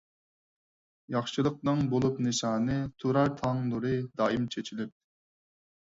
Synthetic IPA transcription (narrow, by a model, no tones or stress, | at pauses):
jɑχʃɨlˠəq̚nɨŋbolˠupnɨʃɑːnɨt̪ʰuɾɑɾt̪ʰɑŋlˠɨɾɨd̪ɑːimt͡ʃʰet͡ʃʰilɪp̪̚